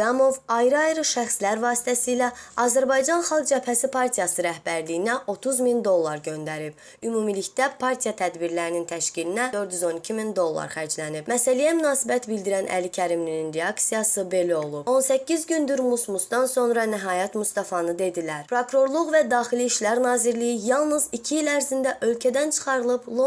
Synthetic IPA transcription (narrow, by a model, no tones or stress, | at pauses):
ɑmo̞vɑjɾɯɑjɾɯʃæxslæɾvɑːsi̥t̪ʰæsiːlæɑzæɾbɑjd͡ʒɑnχɑlˠɡ̚d͡ʒæpʰæsipʰɑɾt̪ʰijɑsɯɾæhbæɾlijinæo̞t̪ʰuzmind̪o̞lˠːɑɾɟø̞nd̪æɾib̥̚ | ymumiliçd̪æpʰɑɾt̪ʰijɑt̪ʰæd̪biɾlæɾinint̪ʰæʃcilinæd̪ø̞ɾd̪jyzo̞nicʰimind̪o̞lˠːɑ̰ɾχæɾd͡ʒlænib̥mæsælijæmynɑːsibæt̪bild̪iɾænʔæ̰licʰæɾimlininɾeɑksijɑsɯbe̞læo̞lˠup̚o̞nsæcʰːizɟynd̪yɾmusmusd̪ɑnso̞nɾɑnæɦɑːjɑt̪must̪ɑfɑnɯd̪e̞d̪ilæɾpʰɾokɾo̞ɾlˠuɣvæd̪ɑːχiliːʃlæɾnɑːziɾlijijɑlˠnɯzicʰiilæɾzind̪æʔø̞lcʰæd̪ænt͡ʃʰɯ̥χɑɾɯlˠɯblˠo